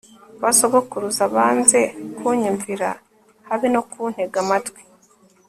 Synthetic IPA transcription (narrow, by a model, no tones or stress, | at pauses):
βasoɡokuɾuzaβaːnze̞kuɲiɱviɾa̰ | haβinokun̥heɡamatɡwi̥